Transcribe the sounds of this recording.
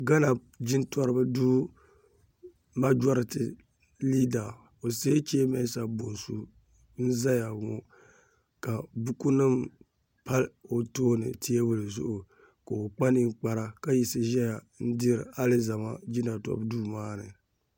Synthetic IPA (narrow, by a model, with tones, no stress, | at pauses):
ɡa˦na˨ | d͡ʒɪ˦ntɔ˦ɾɨ˦bɨ˦duː˦ | ma˦d͡ʒɔ˦ɾɨ˨tɨ˨ | liː˦da˨ | o˨seː˦t͡ʃi˦e˦mɛ˦sa˨bo˨nsu˦ | n̩˦za˦ja˨ŋɔ˦ | ka˨bu˦ku˦nɨ˦m | pa˦lo˨toː˦nɨ̰˨ti˦ɛ˦bʊ˦lɨ˨zʊ̰˦ʔʊ˨ | ka˨o˨k͡pa˦ni˦k͡pa˦ɾa˦ka˦ji˨sɨ˦ʒɛ˦ja˨ | n̩˦di˦ɾ̰a˦lɨ˦za˨ma˦d͡ʒi˦na˨tɔ̰˨bduː˦maː˦nɨ̰˨